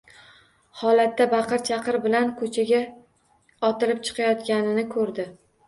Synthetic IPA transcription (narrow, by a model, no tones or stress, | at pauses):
hɒlat̪ːabɑqɨɾt͡ʃʰɑqɨɾbɪlankʰɵt͡ʃʰaɡʲa | ɒt̪ɪlɪp̚t͡ʃʰɨ̥qʰɑjɒt̪ɡʲanɪnɪkʰɵɾd̪ɪ